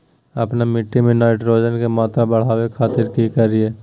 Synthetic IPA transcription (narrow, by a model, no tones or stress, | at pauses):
ɐpnamɪʈːimẽnaːɪʈɾoːd͡ʒənkemaːt̪ɾabɐɽ̤aːwekʰaːt̪ɪɾkikɐɾieː